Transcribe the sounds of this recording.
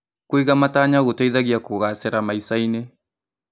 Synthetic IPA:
koiɣamataɲaɣotaiðaɣiakoɣasɛɾamaisaine

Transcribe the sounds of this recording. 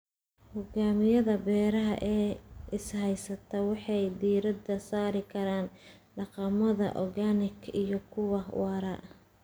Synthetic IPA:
hʊɡaːmɪjɐðɐbɛːɾɐɦɐ̰ʔɛːʔɪshɛjsɐt̪ʰɐwɑħɑjd̪iːɾɐd̪ɐsaːɾɪkʰɐɾaːn | ɖɑqɑmɐðɐ̰ʔɔ̰ɡanɪkʰijɞkʰʊwɑwɑːɾɐʔ

